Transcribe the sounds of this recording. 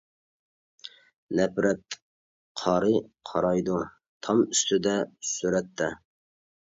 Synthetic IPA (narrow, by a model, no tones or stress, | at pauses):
nɛpɾɛt̪ | qʰɑːɾɨqʰɑ̰ɾɑjd̪u | t̪ʰɑmyst̪ʰɪd̪ɛsyɾɛt̪ːɛ